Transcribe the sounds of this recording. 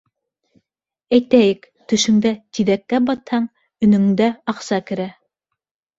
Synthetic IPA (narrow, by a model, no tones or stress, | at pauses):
æjt̪æjɘk | t̪ɵ̆ʃɵ̆ŋd̪æt̪iðækːæbɑt̪hɑɴ | ɵ̆nɵ̆ŋd̪æɑqsɑkɘ̆ɾæ